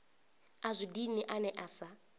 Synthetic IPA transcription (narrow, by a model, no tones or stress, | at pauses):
azʷidiniʔanɛʔasa